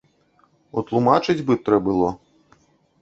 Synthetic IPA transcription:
ut̪lˠumat͡ʂɨd͡zʲbɨt̪ɾɛbɨlˠɔ

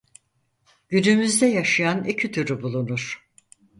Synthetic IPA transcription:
ɟynymyzd̪ɛjaʃɯjanicʰit̪ʰyɾybulˠunuɾ̥

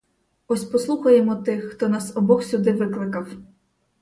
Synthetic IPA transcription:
ɔsʲpɔslˠuxɐjemɔt̪ɪxːt̪ɔnɑsɔbɔxsʲud̪ɪʋɪklˠɪkɐw

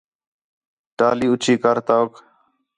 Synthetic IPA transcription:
ʈaːliːʊt͡ʃʰiːkəɾt̪aːk

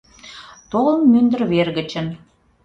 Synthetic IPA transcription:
t̪olə̆nmynd̪ə̆rβerɣə̆t͡ɕə̆n

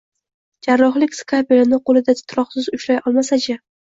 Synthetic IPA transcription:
d͡ʒaɾːɒχlɪkʲskʰapelanɪqolˠɪd̪at̪ʰt̪ʰɾɒχsɪzʊʃɾajʔɒlˠmasat͡ʃʰɪ

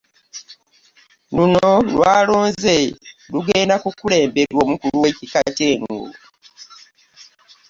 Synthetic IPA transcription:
nunolwaːloːnzeluɡeːndakukule̞ːmbeɾwoːmukuluwecikaceːŋɡɡṵ

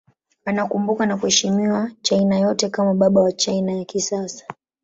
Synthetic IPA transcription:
anakumbukanakuhɛʃimiwat͡ʃainajɔtɛkamaɓaɓawat͡ʃainajakisasḁ

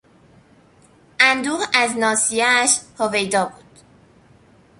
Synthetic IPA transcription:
ʔænd̪uːʁæznɒːsijææʃhovejd̪ɒːbuːd̪̥

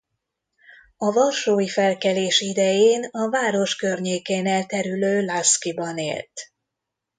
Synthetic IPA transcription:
ɒvɒlʃoːjifɛlkɛleːʃid̪ɛjeːnɒvaːɾo̞ʃkø̞rɲeːkeːnɛlt̪ɛɾyløːlaskibɒnḛːlt̪

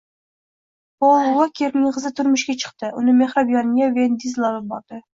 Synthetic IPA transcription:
polˠwakʲʰeɾnɪʁɨzɪt̪ʰʊɾmʊʃkʲat͡ʃʰɨ̥qt̪ɪʔʊnɪmeχɾabjɑnɪɡʲavend̪izlˠɒlˠɪp̚bɒɾd̪ɪ

